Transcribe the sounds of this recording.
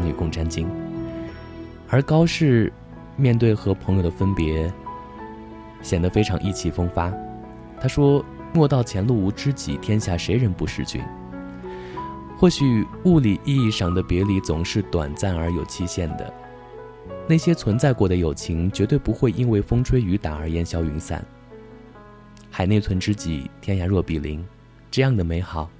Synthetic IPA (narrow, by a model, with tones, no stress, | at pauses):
ny˨˩kʊ˥˩ŋʈ͡ʂa˥nt͡ɕi˥ŋ | ə˞˧˥kɑ˥ʊʂɻ̩˥˧ | mjɛ˥˧nt̪̬we˥˩ɪxɤ˧˥pʰɤ˧˥ŋjo˨˧˩ʊə˩fə˥npjɛ˧˥ | ɕjɛ˨˩nd̪ə˦fe˥ɪʈ͡ʂʰɑ˧˥ŋʔi˥˩t͡ɕʰi˧˥˩fɤ˥ŋfa˥ | t̪ʰa˥ʂwɔ˥ | mwɔ˥˧t̪ɑ˥˩ʊt͡ɕʰjɛ˧˥nlu˥˩u˧˥ʈ͡ʂɻ̩˥t͡ɕḭ˨˩t̪ʰjɛ˥nɕja˥˩ʂe˧˥ɪɻə˧˥npu˧˥ʂɻ̩˥˩t͡ɕy̰˥˩˦n | xwɔ˥˩ɕy˨˩u˥˩li˨˩ʔi˥˧i˥˧ʂɑ˥˩ŋd̪ə˦pjɛ˧˥li˧˥t͡sʊ˨˩ŋʂɻ̩˥˩t̪wa̰˨˩nt͡sa˥˩nə˞˧˥jo˨˩ʊt͡ɕʰi˥ɕjɛ˥˩nd̪ə̰˩ | na˥˩ɪɕjɛ˥t͡sʰwə˧˥nt͡sa˥˧ɪkwɔ˥˩d̪ə˩jo˨˩ʊt͡ɕʰi˧˥ŋt͡ɕɥɛ˧˥t̪we˥˩ɪpu˧˥xwe˥˩ɪʔi˥nwe˥˩ɪfɤ˥ŋʈ͡ʂʰwe˥ɪy˧˥t̪a˨˩ə˞˧˥jɛ˧˥nɕjɑ˧˥ʊy˧˥nsa̰˨˩˦n | xa˨˩ɪne˥˩ɪt͡sʰwə˧˥nʈ͡ʂɻ̩˥t͡ɕḭ˨˩˦t̪ʰjɛ˥nɕja˧˥ɻwɤ˥˩pi˨˩lḭ˧˥ŋ | ʈ͡ʂɤ˥˧jɑ˥˩ŋd̪ə˩me˧˥ɪxɑ˨˩˦ʊ